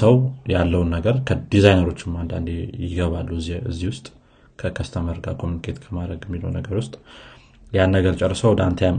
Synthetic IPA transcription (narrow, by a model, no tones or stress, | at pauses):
səwjalːəwunːəɡəɾkʰəd̪izajnəɾo̞t͡ʃːɪmand̪a̰nd̪ejɪɡəβalːuɨzːiɨ̰zːihwʊst̪ʼ | kʰəkʰəst̪ʰəməɾɡa̰kʰo̞munikʰe̞t̪kʰəmad̪ɾəɡɛmːilo̰wnəɡəɾwʊst̪ʼ | janːəɡəɾt͡ʃʼərːsəwd̪ant̪ʰəjam